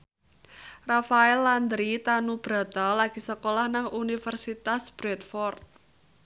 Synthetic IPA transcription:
rafaɛlːand̪ɾit̪anub̥ɾa̤d̪̥a̤laɡ̥i̤səkolahnaŋunifərsit̪asb̥ɾɛt̪̚fɔrt̪̚

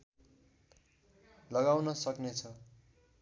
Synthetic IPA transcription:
lʌɡawnʌsʌknet͡sʰʌ

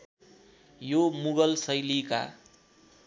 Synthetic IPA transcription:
jomuɡʌlsʌjlika̰

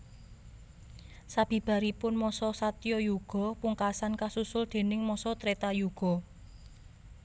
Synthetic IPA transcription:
sab̥i̤b̥ä̤ɾipʊnmɔsɔsat̪ijɔjuɡ̥ɔ̤puŋkasankasusʊld̪̥e̤nɪŋmɔsɔt̪ɾet̪ajuɡ̥ɔ̤

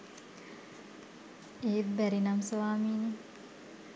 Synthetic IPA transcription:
eːbæɾinamsoʋaːmiːne

